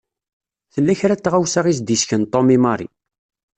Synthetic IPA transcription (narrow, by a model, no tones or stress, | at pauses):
θəlːæçɾæt͡sːʁawsaʁisd̪isçənt̪ˤːomimɑɾˤḭ